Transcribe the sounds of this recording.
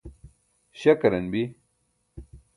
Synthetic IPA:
ɕɐkɐɾɐnbi

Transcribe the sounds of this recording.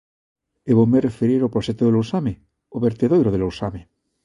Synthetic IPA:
eβomerefeɾiɾopɾoʃet̪oðelowsame | oβeɾt̪eðojɾoðelowsame

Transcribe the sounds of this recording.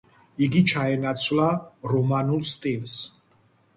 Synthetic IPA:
iɡit͡ʃʰaɛnat̪sʰwvlaɾɔmanulˠst̪ʼils

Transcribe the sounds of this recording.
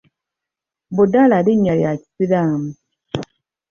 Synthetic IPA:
bodaladiɲaɾiasiɾam

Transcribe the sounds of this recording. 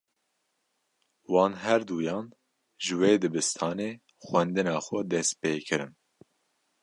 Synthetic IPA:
wɑːnɦɛɾd̪uːjɑːn | ʒɨweːd̪ɨbɨst̪ʰɑːneː | xʷwɛnd̪ɨnɑːxʷɛd̪ɛst̪̚peːkʰɨɾɨn

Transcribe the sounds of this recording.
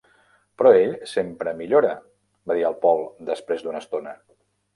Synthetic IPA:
pɾɔeʎsempɾəmiʎoɾə | baðiəlˠpɔlˠd̪əspɾezd̪unəst̪onə

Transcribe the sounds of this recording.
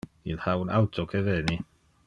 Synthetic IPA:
ilhawnawtʰɔkʰɛvɛni

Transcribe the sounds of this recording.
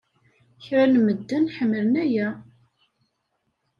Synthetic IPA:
çɾænməd̪ːənħəmːələnæjæ

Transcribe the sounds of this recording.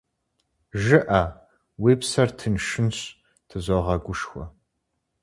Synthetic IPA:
ʒɨʔɐ | wiːpsɐrtʰɨnʂɨnɕ | tʰɨzoʁɐɡʷʊʂxʷɔ̰

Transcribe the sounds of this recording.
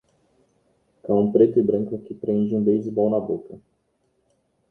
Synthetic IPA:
kaũmpɾet̪ʊbɾə̃ŋkakipɾẽnd͡ʒũbejzbawnabokɐ

